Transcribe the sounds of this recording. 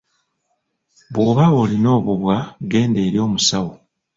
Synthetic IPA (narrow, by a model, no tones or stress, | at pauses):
βwoːβaolino̞ːβuβwaɡe̞ːnde̞ːɾio̞ːmusawo